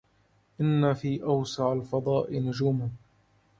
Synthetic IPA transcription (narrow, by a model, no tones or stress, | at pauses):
ʔɪnːafiːʔawsɑʕalfɑd̪ˤɑːʔɪnʊd͡ʒuːma